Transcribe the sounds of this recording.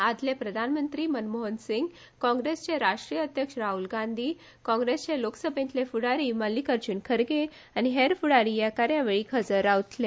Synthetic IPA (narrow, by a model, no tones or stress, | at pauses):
ad͡z̪lepɾəd̪ʱanmənt̪ɾiːmənmoɦənsiŋɡ | kɔ̃ŋɡɾest͡ɕeɾaʂʈɾijəəd̪ʱjəkʂɾaɦulɡãnd̪ʱiː | kɔ̃ŋɡɾest͡ɕeloksəbʱẽnt̪lefuɽaɾiːməlːiːkəɾt͡ɕunkʰəɾɡe | añiɦeɾfuɽaɾiːjakaɾjaʋeɭiːkʰəd͡zəɾawt̪le